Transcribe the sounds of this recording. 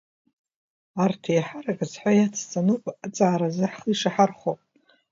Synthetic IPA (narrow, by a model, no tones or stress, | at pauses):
artʰejħarakʼazħʷajat͡sʰt͡sʼanupʼt͡sʼaʕːɾazɨħχiʂaħarχopʼ